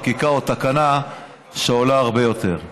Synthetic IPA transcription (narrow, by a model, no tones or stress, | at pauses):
kikaot̪akana | ʃeolaːʁbe̞jo̞t̪e̞ʁ